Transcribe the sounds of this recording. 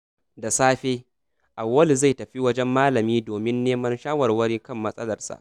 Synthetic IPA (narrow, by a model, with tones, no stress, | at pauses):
da˨saː˦ɸeː˦ | ʔa˨wːɐ˦lza˦˨jtɐ˨ɸi˦wɐ˦d͡ʒɛ˦mːaː˦lɐ˨miː˦doː˨mɪ˦nːeː˦mɐ˦nʃaː˦wɐ˨rwɐ˦ɾeː˦kɐ˦˨mːɐ˦sʼɐ˦lɐ˨rsa̰˨ʔ